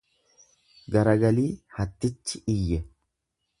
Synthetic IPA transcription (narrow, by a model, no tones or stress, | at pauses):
ɡɐɾɐɡɐliːhɐt̪ːɪt͡ʃːɪɪjːɛ